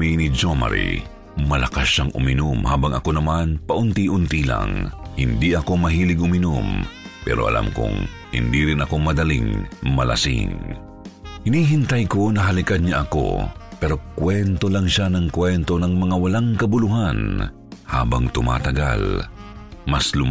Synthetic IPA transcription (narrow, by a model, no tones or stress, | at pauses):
minid͡ʒomɐ̰ɾḭ | mɐlɐkasaŋʔʊ̰mɪnʊmhaːbɐŋɐkonɐmanpɐʔʊnt̪iʔʊnt̪ila̰ŋhɪnd̪iʔɐko̞mɐɦiːlɪɡʔʊmɪnʊmpɛ̰ːɾo̞ʔɐ̰lʔa̰mkʊ̰ŋ | hɪ̰nd̪iɾɪnɐko̞mɐd̪ɐlɪ̰ŋmɐlɐ̰sɪ̰ŋ | hɪniːɦɪnt̪ɐjko̞nɐɦɐlɪkad̪̚ɲaʔɐko̰pɛɾo̞kwɛnt̪olaŋʃanɐŋkwɛnt̪o̞nɐŋmɐŋawɐlaŋkɐbʊlʊɦan | ha̰ːbɐ̰ŋt̪ʊma̰ːt̪ɐɡa̰l | mɐslʊ